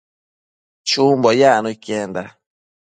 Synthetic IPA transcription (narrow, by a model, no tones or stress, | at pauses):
t͡ʃumbɔjanukɛnda